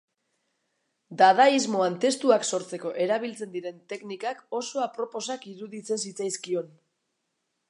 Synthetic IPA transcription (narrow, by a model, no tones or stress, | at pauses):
d̪aðaizmo̞ant̪e̞st̪uakso̞ɾt͡se̞ko̞ʔe̞ɾaβ̞ilt͡se̞nd̪iɾe̞nt̪e̞knikako̞so̞apɾo̞po̞sakiɾuðit͡se̞nsit͡sajskio̞n